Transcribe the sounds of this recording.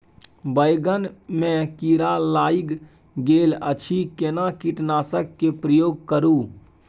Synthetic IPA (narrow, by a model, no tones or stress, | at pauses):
bəjɡənmẽkiɾalaːiɡ | ɡeːlət͡ʃʰikenakiʈnaːsəkːepɾəjoːɡ̚kəɾũː